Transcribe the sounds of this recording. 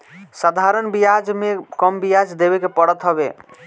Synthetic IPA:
sad̪ʱaɾənbijad͡ʒmekəmbijad͡ʒd̪ebekepəɽət̪ɦəβe

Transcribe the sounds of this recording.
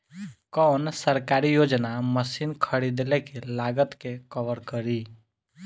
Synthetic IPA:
kɔːnsəɾkaːɾijoːd͡ʒnaməsiːnkʰəɽid̪lekelaːɡət̪kekəʋəɾkəɾiː

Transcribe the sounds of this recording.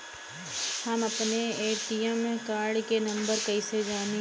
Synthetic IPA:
hɐmɐpneeːʈijɛmkaːɾɖkenɐ̃mbəɾkɐised͡ʒaːmi

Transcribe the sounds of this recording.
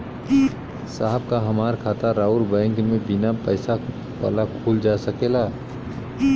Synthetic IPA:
saːɦəb̚kaɦɐmaːɾkʰaːt̪aɾaːuɾbɛ̃ːŋkmẽbɪnapəɪsa | ʋa̰ːlakʰuːld͡ʒaːsəkelaː

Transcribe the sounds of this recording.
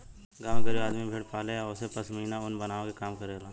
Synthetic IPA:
ɡaːʋɡəɾiaːd̪mibʱeːɽpaːleɔʊsepɐsmɐɦiːnaʊnbɐnaːõkekaːmkɐɾelaː

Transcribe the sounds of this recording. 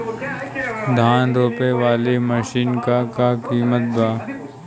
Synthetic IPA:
d̪ʱaːnɾoːpeʋaːleməʃiːnkakakiːmət̪̚baː

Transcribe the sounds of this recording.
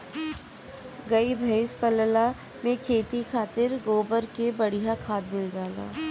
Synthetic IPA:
ɡɐibʱɐɪspəlla | mẽkʰeːt̪ikʰaːt̪ɪɾɡoːbəɾkebɐɽijɦakʰaːd̪mɪld͡ʒaːla̰ː

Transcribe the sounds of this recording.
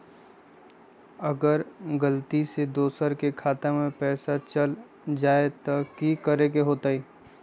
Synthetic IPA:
ɐɡəɾɡəlt̪ised̪oːsəɾkekʰaːt̪emẽpɛːsat͡ʃəl | d͡ʒaːet̪ɐkikəɾekeɦoːt̪aːiː

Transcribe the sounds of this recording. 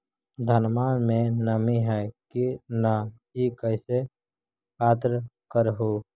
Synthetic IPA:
d̪ʱənmanmẽnəmiɦɛkina | ikəɪse | paːt̪ɾkəɾɦo

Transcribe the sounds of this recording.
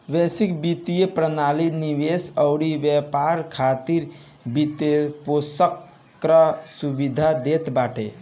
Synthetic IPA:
ʋɛsikbit̪ijepɾənaliniwesəʊɽibjɛpaɾkʰat̪iɾ | bit̪eposəkː | ɾəsubid̪ʱad̪et̪baːʈḛ

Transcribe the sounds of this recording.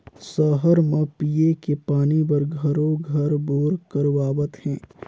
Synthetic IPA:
səɦəɾmɐ̃pijekepaːnibɐɾɡʱɐɾoɡʱɐɾboːɾkəɾʋaːbət̪hɛ̃ː

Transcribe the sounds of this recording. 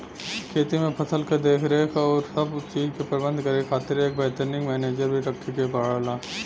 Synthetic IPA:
kʰeːt̪imẽpʰɐsəlked̪eːkʰɾekʰɔːɾsɐbt͡ʃiːd͡ʒkepɾəbə̃nd̪ʱkɐɾekʰaːt̪ɪɾeːk̚bɛːt̪əɾnɪ̃ŋɡmɛːneːd͡ʒəɾbʱiʈɐkʈʰikebaːɽəlaː

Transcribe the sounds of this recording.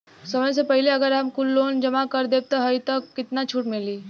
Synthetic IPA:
sɐməjs̬epɛɦɪleɐɡəɾɦɐmkʊlːoːnd͡ʒɐmakɐɾd̪eːb̚t̪oɦɐit̪okːɪt̪nat͡ʃʰuʈmɪliː

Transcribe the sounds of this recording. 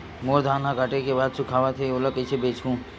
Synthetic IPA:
moːɾd̪ʱaːnãkəʈekebaːd̪̚sʊkʰaːʋat̪ʰeoləkət͡ʃʰebeːt͡ʃɡũː

